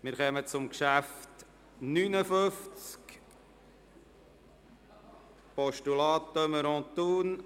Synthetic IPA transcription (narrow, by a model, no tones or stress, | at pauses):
mɪɾχɛmət͡sʊmkʃæft | nyːnəføft͡sk | pɔʃtulɑːtːœməɾɔ̃tuːn